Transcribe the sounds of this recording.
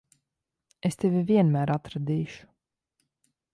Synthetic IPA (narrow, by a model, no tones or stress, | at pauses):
est̪eviviɛnmæːɾat̪ɾad̪iːʃu̥